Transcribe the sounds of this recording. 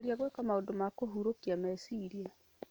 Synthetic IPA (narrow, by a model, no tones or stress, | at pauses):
ɾiaɣwekamaodomakoɦuɾokiamɛsiɾia